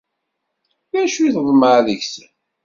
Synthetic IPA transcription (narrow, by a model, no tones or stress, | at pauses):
ðæʃuθðˤməʕðəçs